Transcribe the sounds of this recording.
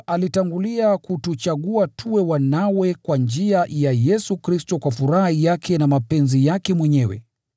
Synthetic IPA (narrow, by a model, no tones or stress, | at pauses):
alitaŋɡuliakutut͡ʃaɠuatʰuɛwanawɛkwand͡ʒiajajɛsukɾistɔkwafuɾahaijakʰɛnamapɛnzijakɛmwɛɲɛwɛ̰